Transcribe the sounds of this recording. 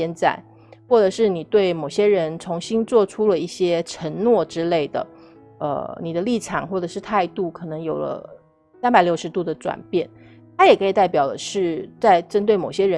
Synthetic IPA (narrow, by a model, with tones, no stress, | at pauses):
ɛ˥nt͡sa̰˥˩ɪ | xwɔ˥˩ʈ͡ʂɤ˨˩ʂɻ̩˥˩ni˨˩t̪we˥˩ɪmo˨˩ʊɕjɛ˥ɻə˧˥nt͡sʰʊ˧˥ŋɕi˥nt͡swɔ˥˧ʈ͡ʂʰu˥lə˨i˥˩ɕjɛ˥ʈ͡ʂʰə˧˥ŋnwɔ˥˩ʈ͡ʂɻ̩˥le˥˩ɪd̪ə̰˩ | ə̰˧ni˨˩d̪ə˦li˥˩ʈ͡ʂʰɑ̰˨˩˦ŋxwɔ˥˩ʈ͡ʂɤ˨˩ʂɻ̩˥˧t̪ʰa˥˧ɪt̪u˥˩kʰɤ˨˩nɤ˧˥ŋjo˨˩ʊlə̰˦ | sa˥npa˨ɪljo˥˩ʊʂɻ̩˧˥t̪u˥˩d̪ə˩ʈ͡ʂwa̰˨˩npjɛ˥˩n | t̪ʰa˥jɛ˨˩kʰɤ˧˥i˨˩t̪a˥˩ɪpjɑ˨˩ʊd̪ə˦ʂɻ̩˥˩t͡sa˥˩ɪʈ͡ʂə˥nt̪we˥˩ɪmo˨˩ɕjɛ˥ɻə˧˦